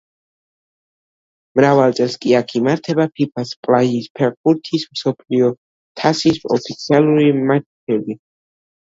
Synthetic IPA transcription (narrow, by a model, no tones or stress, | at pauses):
mɾavalˠt̪sʼɛlˠskʼiakʰimaɾt̪ʰɛbapʰipʰaspʼlaispʰɛʁbuɾt̪ʰismsɔpʰliɔ | t̪ʰasisɔpʰit̪sʰialˠuɾimat͡ʃ | ɛbi